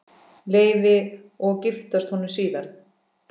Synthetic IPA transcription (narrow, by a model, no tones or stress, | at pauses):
leːjvɪ | ɔɣcɪft̪ast̪hɔnʏmsiːðaɾ̥